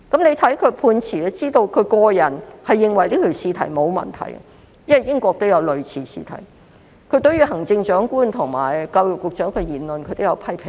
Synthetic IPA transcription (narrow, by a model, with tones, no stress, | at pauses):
kɐ˨˥mne˨˧jt̪ʰɐ˨˥jkʰɵ˨˧ɥpʰuː˧nt͡sʰiː˨˩lɛ˥t͡siː˥t̪o˧wkʰɵ˨˧ɥkɔː˧jɐ˨˩nhɐ˨jːɪ˨˧ŋwɐ˨˩jliː˥k̪ʰɵ˨˩siː˧t̪ʰɐ̰˨˩jmo˨˧wmɐ̰˨nt̪ʰɐ̰˨˩j̰ | jɐ˥nɐ˨˩jɪ˥ŋkʷɔː˧k̚t̪o˥wjɐ˨˧wlɵ˨ɥt͡sʰiː˨˧˩sḭː˧t̪ʰɐ̰˨˩j | kʰɵ˨˧ɥt̪ɵ˨˥jyː˧ɦɐ˨˩ŋt͡sɪ˧ŋt͡ʃœː˨˥ŋkuː˥nt̪ʰʊ˨˩ŋma̰ː˨˩jkɐ˧wjʊ˨˩k̚wʊ˨k̚t͡ʃœː˨˥ŋkʰə˨˧jiː˨˩nlɵ˨nkʰɵ˨˧t̪o˥jɐ˨˧wpʰɐ˥jpʰɪ˨˩ŋ